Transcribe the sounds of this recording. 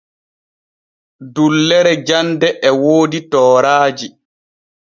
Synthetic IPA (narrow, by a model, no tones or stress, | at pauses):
dulːɛɾɛd͡ʒandɛʔɛwoːditɔːɾaːd͡ʒi